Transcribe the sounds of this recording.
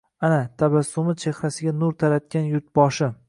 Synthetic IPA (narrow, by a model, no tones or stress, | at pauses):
anat̪ʰabasːʊmɪt͡ʃʰe̞hɾasɪɡʲanʊɾt̪ʰaɾat̪̚kʲanjʊɾt̪̚bɒʃɪ